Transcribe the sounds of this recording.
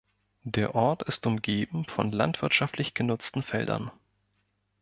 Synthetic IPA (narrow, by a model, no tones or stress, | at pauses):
deːɐʔɔɐtɪstʊmɡeːbm̩fɔnla̰ntv̥ɪɐtʃaftʰlɪçɡ̥ənʊt͡stn̩fɛ̰ldɐ̰n